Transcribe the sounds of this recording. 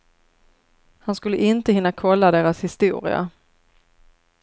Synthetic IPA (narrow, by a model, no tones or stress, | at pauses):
hanskɵlːəʔɪnt̪əhɪnːakʰɔlːad̪eːɾashɪst̪uːɾɪ̰a̰